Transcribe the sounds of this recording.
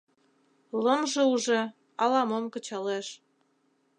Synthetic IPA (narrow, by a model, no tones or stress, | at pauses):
lɤmʒeuʒe | ɑlɑmomkə̆t͡ɕɑleʃ